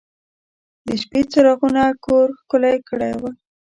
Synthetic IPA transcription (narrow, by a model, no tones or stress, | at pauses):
d̪əʃpet͡saɾaɣunakʰoɾxkʊlajkəɽa̰jwa